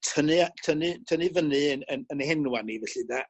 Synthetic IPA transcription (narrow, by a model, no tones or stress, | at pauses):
tʰənɨatʰənɨtʰənɨvənɨnənənhɛnwanivɛɬɨda